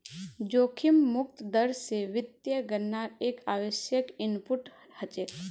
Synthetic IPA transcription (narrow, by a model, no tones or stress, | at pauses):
d͡ʒoːkʰɪmːʊk̚t̪d̪əɾseʋɪt̪jəɡəɾnaːɾeːkaːʋəʃjəkɪnpʊʈ | hət͡ʃe